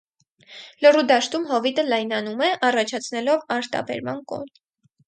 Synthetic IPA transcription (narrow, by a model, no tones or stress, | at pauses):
lərud̪ɑʃt̪umɦɔvit̪əlɑjnɑnumɛʔɑrɑt͡ʃʰɑt͡sʰnɛlɔvɑɾt̪ɑ̰bɛ̰ɾmɑ̰nkɔ̰n